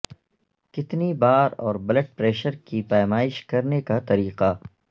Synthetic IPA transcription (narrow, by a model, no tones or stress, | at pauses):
kɪt̪nibaːɾɔːɾbɐləʈ̚pɾeːʃəɾkipaːjmaːɪʃkɐɾnekat̪ɐɾiːqa